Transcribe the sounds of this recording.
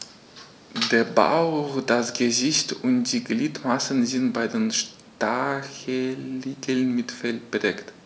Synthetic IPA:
deːɐba̰ʊχd̥asɡ̥əzɪçtʊnt̚d̥iːɡliːtmasən̩zɪntb̥aɪdeːnʃ | taɐçəliːɡʰl̩nmɪtfɛlb̥ʁɛkt

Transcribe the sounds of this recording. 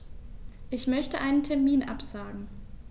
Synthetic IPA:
ʔɪçmœçtəʔaɪnəntʰɛɐmiːnʔa̰pz̥aːɡŋ̩

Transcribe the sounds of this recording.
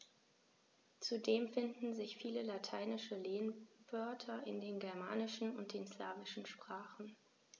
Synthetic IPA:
t͡sudeːmfɪndn̩zɪçfiːləlatʰaɪnɪʃəleːnvœɐtʰɐʔɪndeːnɡɛɐma̰ːnɪʃn̩ʊnt̚d̥eːnsla̰ːvɪʃn̩ʃpʁ̥aːχn̩

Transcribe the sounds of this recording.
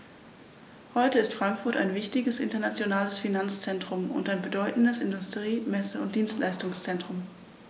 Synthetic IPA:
hɔʏtəɪstfʁ̥aŋkfʊɐta̰ɪnvɪçtɪɡəsʔɪ̰ntɐnat͡sjonaːləsfinant͡st͡sɛntʁ̥ʊmʊ̰ntaɪnbədɔʏtn̩dəsɪndʊstʁ̥iːmɛsəʊnt̚d̥iːnstlaɪstʊŋst͡sɛntʁ̥ʊm

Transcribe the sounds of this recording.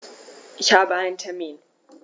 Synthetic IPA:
ʃaːbantʰɐmin

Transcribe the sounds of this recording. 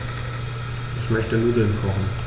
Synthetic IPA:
ʔɪçmœçtənuːdl̩nkʰɔχn̩

